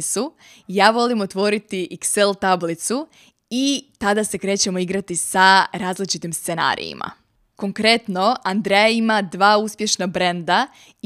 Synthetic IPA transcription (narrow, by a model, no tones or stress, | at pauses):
su | jaːʋo̞limot̪ʋo̞ɾit̪iʔikselˠt̪ablit̪su | it̪ad̪ase̞kɾe̞ːt͡ɕemo̞iɡɾat̪isaɾaːzlit͡ʃit̪imst̪se̞na̰ɾḭjḭma̰ | ko̞ŋkɾe̞t̪no̞and̪ɾejaimad̪ʋaːuspje̞ʃnabɾend̪a